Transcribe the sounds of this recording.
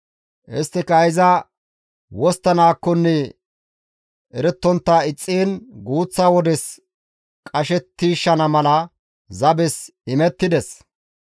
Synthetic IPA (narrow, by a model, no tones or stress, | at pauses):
ʔɪst̪ːɪkɐjɪzɐ | wɔst̪ːɐnaːkːɔnːɛ | ʔɛɾɛt̪ːɔnt̪ːaɪt͡sʼːiːnɡuːt͡sːaːwɔd̪ɛs | kʼɐʃɛt̪ːiːʃːɐnɐmɐlɐ | zɐbɛsɪmɛt̪ːɪd̪ɛs